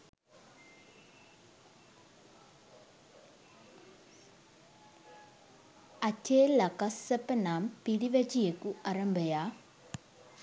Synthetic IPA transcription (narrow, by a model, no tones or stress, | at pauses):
ɐtʰeːlɐkɐsːɐpɐnaːmpiɾiʋɐt͡ʃijɐkuʔɐɾɐmbɐjaː